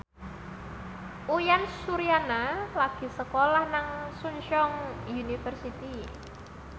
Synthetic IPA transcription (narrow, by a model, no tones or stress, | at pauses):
ʔujansuɾianalaɡ̥i̤səkolahnaŋsuɲt͡ʃɔŋjunifərsit̪i